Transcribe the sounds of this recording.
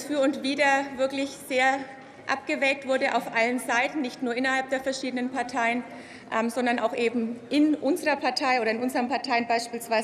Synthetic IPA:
sfyːɐʊntv̥iːdɐvɪɐklɪçz̥eːɐ | ʔa̰p̚ɡ̥əvɛːk̚tv̥ʊɐdəʔa̰ʊfʔalənzaɪtn̩nɪçtnuːɐʔɪnɐhalp̚d̥eːɐfɛɐʃiːdənənpʰaɐtʰaɪən | ʔɛːmzɔndɐnʔa̰ʊxʔeːbm̩ʔɪnʔʊnzəʁɐpʰaɐtʰaɪʔoːɾɐɪnʔʊnzəʁənpaɐtʰaɪənbaɪʃpiːlsv̥aɪz

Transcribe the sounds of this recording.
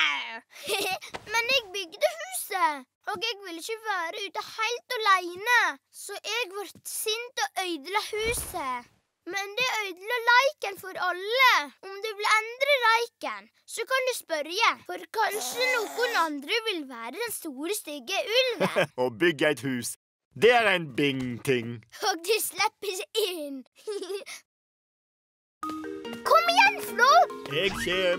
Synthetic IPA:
mɛnɛɡ̚bʏɡd̪əhʉːsə | ɔɡɛɡʋɪlːɪçəʋæːɾəʉːt̪ɑhæɪlt̪ɔlæɪnəsɔʔɛɡʋæɾt̪sʏnt̪ɔʔœʏd̪lɑhʉːsə | mɛnd̪ɛœʏd̪lɑlɑɪkənfɔɾɑlːəʊmd̪ɛʋɪlɛnd̪ɾəɾɑɪkən | sɔkɑnd̪ʉspœɾjəfɔɾkɑnʃənoːkʊnɑnd̪ɾəʋɪlʋæːɾəd̪ɛnst̪uːɾəst̪ʏɡəʔʉlʋoːbʏɡəæɪt̪hʉːs | d̪ɛæːɾæɪnbɪŋt̪ʰɪŋɔk̚d̪ʉslɛpːəɾɪn | kʰɔmɪjɛnsnɔɛɡe

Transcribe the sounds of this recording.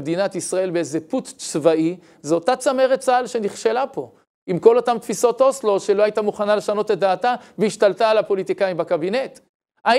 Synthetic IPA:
d̪inat̪isʁae̞lbeezeput̪t͡svai | zeotat͡same̞ʁet͡salʃe̞niχʃe̞lapo̞ | imko̞lo̞tamt̪fiso̞t̪o̞slo̞ʃe̞lo̞ajit̪amuχanale̞ʃano̞ted̪aːt̪aveiʃt̪alt̪aːlapo̞lit̪ikaimbakabine̞t̪ | a

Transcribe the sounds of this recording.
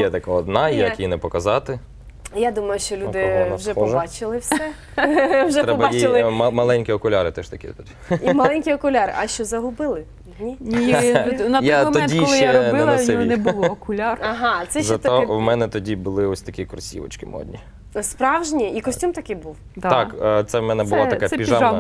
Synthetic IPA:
jɛt̪ɐkaɔd̪nɑjakinɛpɔkɐzɑt̪ɪ | jad̪umɐjʊʃt͡ʃɔlʲud̪ɪwʒɛpɔʒbɑt͡ʃɪlˠɪwsɛ | wʒɛt̪ɾɛpɔbɑjt͡ʃiɪlˠɪmɐlˠɛnʲkʲiɔkʊlʲaɾɪt̪ɛʃt̪ɐkʲḭt̪ʊ | imɐlˠɛnʲkʲiɔkʊlʲɑɾʔɐʃt͡ʃɔzɐɦʊbɪlˠɪ | nʲinʲinɐtjɔamɔmɔɛntd̪ʲiɔlʃˠjɛaɔbɪlˠɐsɪnɛbuɔkʊlʲarɐɦɑsɛzɐt̪ɔwmɛnɛt̪ɔdʲibʊlˠɪɔsʲt̪ɐkʲikɔrsʲḭʋɐ̰t͡ʃkɪmɔ̰d̪ʲnʲi | spɾɑwʒnʲiikɔsʲtʲumt̪ɐkɪbuw | d̪t̪ɑkt̪sɛwmɛnɛbʊlˠɔt̪ɐkɛɛpʲiʒa

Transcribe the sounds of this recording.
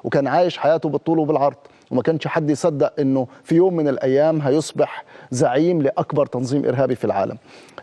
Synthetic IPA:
wkaːnʕaːjɪʃħajaːt̪ʊbɨt̪ˤːuːlwbɪlʕɑɾˤd̪ˤ | wmakanʃħad̪ːjsˤɑd̪ːaʔʔɪnːʊfijoːmːɪnɪlʔajːaːmɦajʊsˤbɪħzaʕiːmlɪʔakbɑɾˤt̪ɑnzˤiːmʔɪ̰ɾɦaːbifilʕa̰ːlʔa̰m

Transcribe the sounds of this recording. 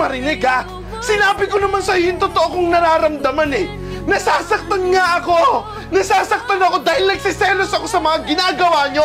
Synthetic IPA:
mɐɾɪnɪɡa | sɪnaːbɪko̞nɐmansɐjojʊŋt̪ot̪oʔokʊŋnɐɾaːɾɐmd̪amanɛ | nɐsaːsɐk̚t̪ɐnŋaʔɐko̞ | nɐsaːsɐk̚t̪ɐnɐko̞d̪aːhɪlnɐɡ̚sɪsɛlosɐko̞sɐmɐŋaɡɪnaːɡɐwaːɲo̞

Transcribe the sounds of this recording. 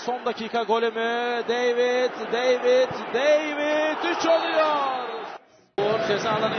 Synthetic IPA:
sond̪acʰiːkʰaɡo̞lʲymyd̪ejvit̪d̪ejvit̪d̪ejvid̪yt͡ʃolˠujoɾ | oɾd͡ʒezaːlˠan

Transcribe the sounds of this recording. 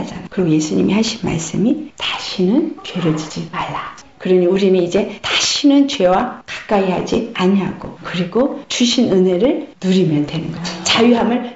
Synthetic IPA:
d͡ʑanakɯɾɡoje̞sʰuɲimihaɕʰinma̰ɭs͈ɯmitaɕʰinɯnpjeɾʌd͡ʑid͡ʑimaɭːa | kɯɾʌɲiuɾinɯnid͡ʑe̞taɕʰinɯnt͡ɕwe̞wakḁk͈aiɦa̰d͡ʑiaɲiɦaɡ̥okɯɾiɡot͡ɕuɕʰinɯne̞ɾɯɭnuɾimjʌndwe̞nɯnɡʌt͡ɕajuɦamɯɭ

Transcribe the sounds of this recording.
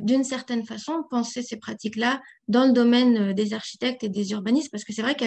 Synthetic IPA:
d̪ynsɛʁt̪ɛnfasɔ̃pɑ̃sesepχat̪ikla | d̪ɑ̃ləd̪ɔmɛnød̪ezaʁʃi̥t̪ɛk̚t̪ed̪ezyʁbanismpaʁsə̥kəsɛvʁɛkɛ

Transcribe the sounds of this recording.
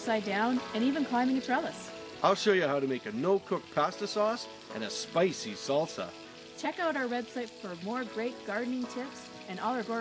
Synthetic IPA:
saɪdãʊ̃nɨ̃nivɨ̃nkʰl̥ãɪ̃mɪ̃ŋɨtʰɹ̥ɛlˠəs | ʔaɪlˠʃoʊjɨhaʊɾɨmeɪkɨnoʊkʰʊk̚pʰæstəsɔs | ɨ̰̃nɨspaɪsisʌlˠtʰə̰ | t͡ʃʰɛkaʊɾaʊə˞wɛb̥saɪtfə˞mɔɹɡɹeɪt̚ɡ̥ɑɹdⁿn̩ɪ̃ŋtʰɪps | ɨ̃nɔlˠə˞ɡɔ

